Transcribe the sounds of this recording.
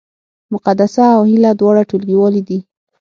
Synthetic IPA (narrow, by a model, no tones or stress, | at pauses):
mʊqad̪asaːwhɪlad̪wɑɽaʈolɡiwɑlid̪i